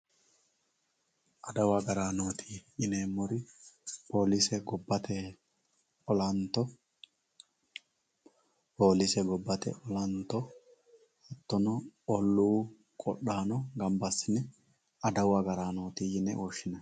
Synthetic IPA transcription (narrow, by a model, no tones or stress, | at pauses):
ʔɐd̪ɐwaɡɐɾaːnoːt̪ʰiːjɪnɛːmːɔɾɪpʰo̞ːlɪsɛɡɔbːɐt̪ɛ | ɔlɐnt̪ɔ | poːlɪsɛɡɔbːɐt̪ɛ̰ʔɔlɐnt̪ɔ | ɐt̪ːɔnɔɔlːuː | kʼɔ̰ɗaːnɔɡɐmbɐsːɪnɛ | ɐd̪ɐwaɡɐɾaːno̞ːt̪iːjɪnɛ̰ʔoːʃɪnɐ